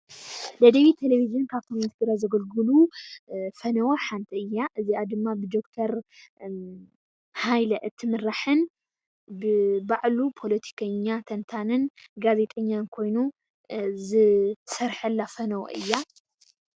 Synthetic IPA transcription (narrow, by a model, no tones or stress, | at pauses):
d̪ɐd̪ɐβit̪ʰeleβizɨnkʰaβkʰomint̪ʰɨɡɨɾazɐɡɐlɡɨlu | fɐnɐwoħant̪ʰiɨjːaʔɨziad̪ɨmːabɨd̪o̞kt̪ʰɐɾ | hajlɐʔɨt̪ʰːɨmɨɾaħɨn | bɨbaʕlupʰo̞lɐt̪ʰi̥kʰɐɲːat̪ʰɐnt̪ʰanɨnɡaze̞t̪ʼɐɲːankʰo̞jnu | zɨsɐɾħɐlːafɐnɐwo̰ʔɨjːa